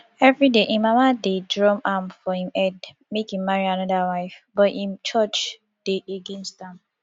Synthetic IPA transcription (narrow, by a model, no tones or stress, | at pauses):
ɛvɹideʔĩmamadedɹɔ̃mamfɔhĩmɛd | mekĩmmaɹianɔdawaɪfbɔtĩnt͡ʃʰɔt͡ʃ | d̥eʔeɡɛ̃nstãm